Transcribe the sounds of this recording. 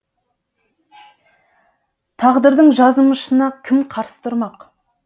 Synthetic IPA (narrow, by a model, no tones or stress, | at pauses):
t̪ʰɑʁd̪əɾd̪əɴʒɑzəməʃənɑkʲʰɪmqʰɑɾsə̥t̪ʰʊɾmɑq